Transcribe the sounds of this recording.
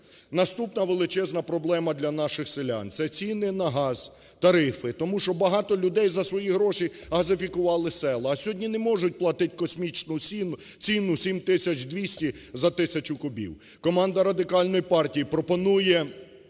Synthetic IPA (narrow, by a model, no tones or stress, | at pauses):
nɐst̪upnɐʋelˠɪt͡ʃɛznɐpɾɔblˠɛmɐd̪lʲɐnɑʃɪxsɪlʲa̰nt̪sɛt͡sʲinɪnɐɦɑz̥ | t̪ɐɾɪfɪt̪ɔmuʃɔbɐɦɑt̪ɔlʲʊd̪ɛjzɐsʋɔjiɦɾɔʃiɦɐzɪfʲikʊʋɑlˠɪsɛlˠɐːsʲɦɔdʲnʲinɛmɔʒʊt̚ʲplˠɐt̪ɪtʲkɔsʲmʲit͡ʃnʊsʲint͡sʲinʊsʲimt̪ɪsʲɐt͡ʃd̪ʲʋʲisʲtʲizɐt̪ɪsʲɐt͡ʃʊkʊbʲḭw | kɔmɑnd̪ɐɾɐd̪ɪkɑlʲnɔjipɑrtʲijipɾɔpɔnujɛ